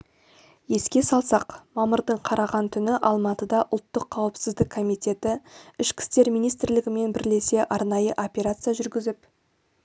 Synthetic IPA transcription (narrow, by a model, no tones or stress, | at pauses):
je̞skʲe̞sɑlˠsɑqmɑməɾd̪əɴqʰɑɾɑʁɑnt̪ʰʏnɪʔɑlˠmɑt̪əd̪ɑʔʊlˠt̪ːəqʰːɑwəpsɪzd̪ɪkʰːo̞mijt̪ʲe̞t̪ɪɪʃkʲʰɪ̥st̪e̞ɾmijnijst̪ɾlɪɡʲɪme̞nbɪɾle̞se̞ʔɑɾnɑjəʔo̞pʲeɾat̪sɨijaʒʏɾɡʲɪzɪp